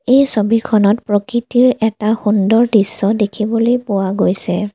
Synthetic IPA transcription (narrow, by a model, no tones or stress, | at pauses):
ejsobikʰɔnɔtpɹɔkɹitiɹɛtaxundɔɹdisːɔdekʰibɔlojpʊwaɡojsɛ